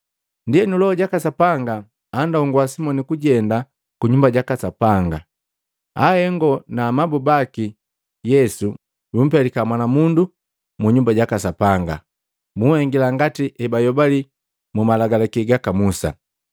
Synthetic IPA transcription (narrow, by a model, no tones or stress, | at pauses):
ndijɛnulɔɔɟakasapaŋɡaː | ndauŋɡuwasimɔnikuɟɛnda | kuɲumbaɟakasapaŋɡa̰ | ahɛŋɡɔnamabubaki | jɛsu | bum̩pɛlikamwanamundu | muɲumbaɟakasapaŋɡa̰ | muhɛŋɡilaŋɡatiʔɛbajɔbali | mumalaɡalakiɡakamusa̰